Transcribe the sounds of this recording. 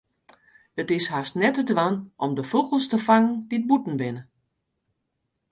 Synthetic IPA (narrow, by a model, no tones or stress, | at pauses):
ətɪsɦastnɛtədʋanʔɔmdəfuɣəlˠstəfaŋəndit̚butn̩bɪnə